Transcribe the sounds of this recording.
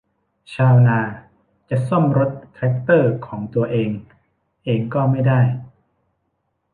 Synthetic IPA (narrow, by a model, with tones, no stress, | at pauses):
t͡ɕʰaː˧wnaː˧ | t͡ɕa˨˩so˥˩mɾo˦˥t̪̚ʰːɛ˦˥k̚t̪ɤː˥˩kʰɔː˩˦ŋt̪u˧ɐʔeː˧ŋ | ʔeː˧ŋkɔː˥˩ma˥˩jdaː˥˩j